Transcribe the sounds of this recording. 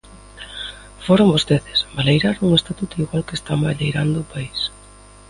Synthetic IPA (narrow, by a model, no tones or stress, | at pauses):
foɾombost̪eðɪ̥sbalejɾaɾuŋest̪at̪ut̪ʊiɣwalkest̪ambaʎejɾand̪ʊpais